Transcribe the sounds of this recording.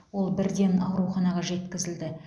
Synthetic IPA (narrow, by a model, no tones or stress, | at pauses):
wo̞lˠbɪɾd̪e̞nɑwɾuχɑnɑʁɑʒe̞t̪kʲɪzɪld̪ɪ